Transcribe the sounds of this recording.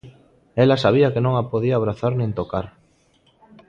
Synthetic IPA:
elasaβiɐkenõŋapoðiaːβ̞ɾaθaɾnẽnt̪okaɾ

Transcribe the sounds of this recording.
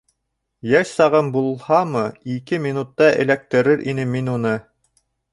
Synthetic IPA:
jæʃsɑʁɤmbulˠhɑmɤikɘmʲinut̪ːɑɘ̰̆læk̚t̪ɘ̆ɾɘɾʔinɘminunɤ

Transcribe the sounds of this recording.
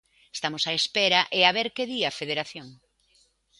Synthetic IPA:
est̪amosaespeɾɐʔeaβeɾkeðiafeð̞eɾaθjoŋ

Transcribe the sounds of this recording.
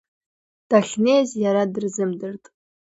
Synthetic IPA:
d̥aχʲnejzjaɾadɨrzɨmdɨrtʼ

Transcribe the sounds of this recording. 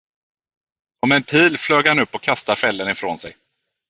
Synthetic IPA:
sɔmɛnpʰiːlfløːɡhanɵpːɔkʰːast̪aɾfɛlːənɪfɾoːnsɛj

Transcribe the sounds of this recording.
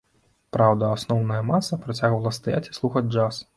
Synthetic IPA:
pɾawd̪ɐasnɔwnɐjɐmasɐpɾat͡sʲaɣvɐlˠɐst̪aja̰t͡sʲi̥slˠuxɐd͡zʲd͡ʐas

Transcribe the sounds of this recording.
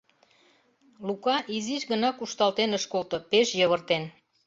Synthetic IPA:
lukɑʔiziʃɣə̆nɑkuʃt̪ɑlt̪enəʃkolt̪ɤ̆peʃjɤβərt̪en

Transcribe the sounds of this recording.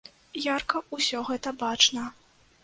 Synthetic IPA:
jarkɐusʲɔɣɛt̪ɐbat͡ʂnɐ

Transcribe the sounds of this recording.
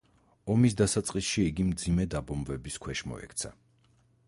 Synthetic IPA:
ɔmisd̪asat̪sʼqʼisʃiːɡimd̪zimɛd̪abɔmvɛbiskʰwɛʃmɔ̰ɛ̰kʰt̪sʰa̰

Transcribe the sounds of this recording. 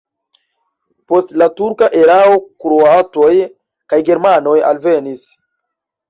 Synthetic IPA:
po̞stlatuɾkaʔe̞ɾaokɾoato̞j | kajɡe̞ɾmano̞ja̰lvenis

